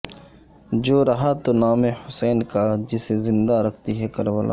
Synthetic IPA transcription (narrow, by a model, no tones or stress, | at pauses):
d͡ʒoːɾɐɦat̪onaːmehʊsɛːnkad͡ʒɪsezɪ̃nd̪aɾɐkʰt̪iɦɛkɐɾʋəla̰ː